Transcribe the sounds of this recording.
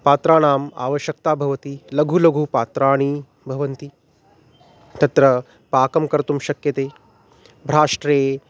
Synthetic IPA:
paːt̪ɾaːɽ̃aːma̰ːʋɐʃjɐk̚t̪aːbʱɐʋɐt̪ilɐɡʱulɐɡʱupaːt̪ɾaːɽ̃i | bʱɐʋɐnt̪i | t̪ɐt̪ɾɐ | paːkɐmkɐɾt̪umʃɐkjɐt̪eː | bʱɾaːʂʈɾeː

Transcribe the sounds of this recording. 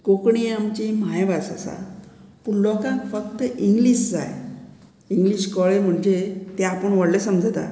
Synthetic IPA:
kokɳiamt͡ɕimajbasa̰sa̰punlʋɔkãkfəkt̪əʔiŋɡliːɕd͡za̰j | iŋɡliɕkɔɭem̤əɳd͡ʑet̪eapəɳʋəɽlesəmd͡zʱat̪a̰

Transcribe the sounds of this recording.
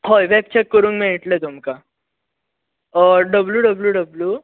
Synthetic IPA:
ɦojʋɛp̚t͡ɕɛkːəɾuːnkmeɦiʈlet̪umka | ɾɖəbljuɖəbljuɖəblju

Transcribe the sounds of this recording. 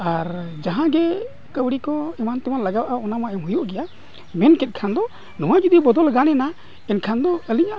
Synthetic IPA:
aɾd͡ʒaɦãɡɛ | kəwɽikɔɛmant̪ɛwanlaɡawʔaɔnamaʔɛmɦujuʔɡɛja | mɛnkɛt̪̚kʰand̪ɔ | nɔwad͡ʒud̪ibɔd̪ɔlɡanɛna | ɛnkʰand̪ɔəliɲaʔ

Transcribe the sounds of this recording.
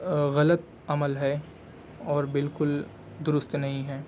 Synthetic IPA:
ɣɐlət̪ | ɐməlɦɛ | ɔːɾbɪlkʊl | d̪ʊɾʊst̪nɐɦĩɦɛː

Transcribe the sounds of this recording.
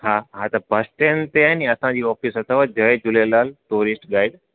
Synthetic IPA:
haːɦat̪ɐbʱɐsʈent̪eaːiniɐsãd͡ʑiːɔːfisɐt̪ʰəʋad͡ʑɐed͡ʑʊlelaːlʈoːɾɪsʈɠaːɪɖ

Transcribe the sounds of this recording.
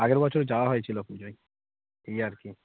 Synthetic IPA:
aɡeɾbɔt͡ɕʰoɾd͡ʑawaɦoet͡ɕʰilopnid͡ʑoj | ejaɾki

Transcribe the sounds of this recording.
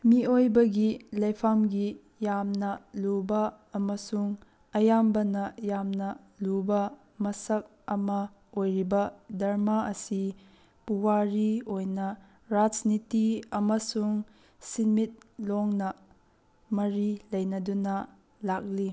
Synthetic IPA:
miojbɐɡilɐjpʰamɡi | jamnɐlubɐː | mɐsuŋ | ɐjambɐnɐjamnɐ | lubɐ | mɐsɐk̚ | ɐmɐ | ojɾibɐdɐɾmaɐsi | puwaɾiojnɐ | ɾad͡ʒnitiɐmɐsuŋ | sinmit̚loŋnɐ | mɐɾilɐjnɐdunɐ | lak̚li

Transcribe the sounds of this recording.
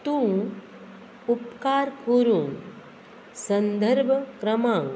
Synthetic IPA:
t̪ũː | upkaːɾkuɾũŋ | sɐnd̪əɾbʱəkɾɐmãːŋ

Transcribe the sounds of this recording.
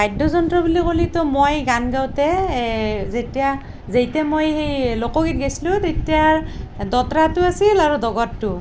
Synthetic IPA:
bajdɔzɔntɹɔbulikolitɔmojɡanɡawtɛ | zetija | zejtɛmojxejlokɔɡit̚ɡesilʊ̃tetijadɔtɹatʊasilaɹudɔɡɔtːʊ

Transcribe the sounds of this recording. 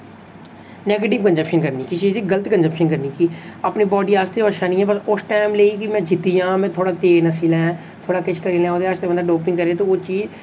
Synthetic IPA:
nɛːɡəʈɪʋkə̃nd͡ʒəpʃənkəɾniːkit͡ʃiːziɡələt̪kə̃nd͡ʒəpʃənkəɾniːkiːəpniːbɔːɖiːaːst̪eɔːʃaːnĩɛ̃ːbəsʊsʈɛːmleːiːkimɛ̃ːd͡ʒɪt̪ːijãːmɛ̃ːt̪ʰoːɽaːt̪eːnəsiːlɛ̃ː | t̪ʰoːɽaːkɪʃʰkəɾiːlɛ̃ːoːd̪eəʃt̪ebənd̪aːɖoːpɪ̃ŋɡkəɾeːt̪oːoːt͡ʃiːd͡ʒ

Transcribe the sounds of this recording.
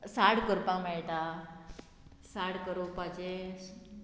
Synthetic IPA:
saɽkəɾpakmɛɭʈ̪a | saɽkəɾopad͡ʑe

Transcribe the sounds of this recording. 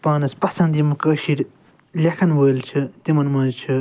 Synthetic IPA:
paːnɐspɐsɐnd̪imɨkɐːʃiɾ | lʲekʰɐnwəːlt͡ʃʰɨt̪imɐnmɐːt͡ʃʰɨ

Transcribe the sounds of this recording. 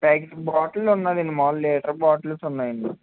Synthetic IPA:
paːkesbaːʈɐlːunːad̪inːimaːlleːʈɐɾbaːʈɐlusunːaːjɐɳɖi

